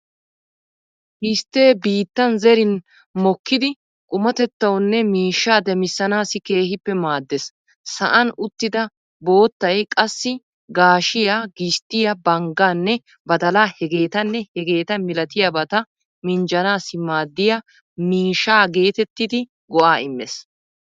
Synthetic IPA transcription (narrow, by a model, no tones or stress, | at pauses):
hɪst̪ːe̞ːbiːt̪ːɐnzɛɾɪn | mɔkːɪd̪ɪ | kʼʊmɐt̪ɛt̪ːɐwnːɛmiːʃːaːd̪ɛmɪsːɐnaːsɪke̞ːhɪpːɛmaːd̪ːɛs | sɐʔɐnʊt̪ːɪd̪ɐ | bo̞ːt̪ːɐjkʼɐsːɪ | ɡaːʃɪjaɡɪst̪ɪjɐbɐŋɡaːnːɛ | bɐd̪ɐlaːhɛɡe̞ːt̪ɐnːɛhɛɡe̞ːt̪ɐmɪlɐt̪ɪjɐbɐt̪ɐ | mɪnd͡ʒɐnaːsɪmaːd̪ːɪja | miːʃaːɡe̞ːt̪ɛt̪ːɪd̪ɪ | ɡɔʔaːɪmːḛs